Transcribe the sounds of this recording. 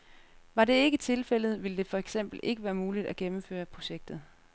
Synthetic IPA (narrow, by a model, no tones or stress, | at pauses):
ʋɑ̈ɾe̝e̝ɡ̥ət͡sʰe̝lfel̰ð̞̩ˠʋiləd̥e̝fɒ̽eɡ̥sem̰b̥l̩ʔe̝ɡ̥əʋæːɐmuːlid̥æɡ̥emm̩fø̰ːɐpʰʁo̝ɕeɡ̥̚d̥ð̞̩ˠ